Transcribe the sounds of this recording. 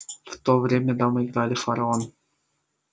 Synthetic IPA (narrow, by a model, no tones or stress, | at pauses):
ft̪ovɾʲemʲəd̪amɨɪɡɾɑlʲɪfɐɾaon